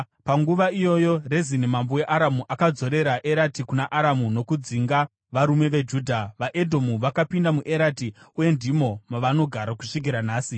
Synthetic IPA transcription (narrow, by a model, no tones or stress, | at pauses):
paŋɡuʋaijo̞jo̞rezinemambowe̞ʔaɾamuʔakad͡zo̞ɾe̞ɾaʔe̞ɾatikunaʔaɾamuno̞kud͡ziŋɡa | ʋaɾume̞ʋe̞d͡ʒuːdʱaʋaʔe̞dʱo̞muʋakapindamuʔe̞ɾatiuje̞ndimo̞maʋano̞ɡʱaɾaku̥ʂik̬iɾanaːsi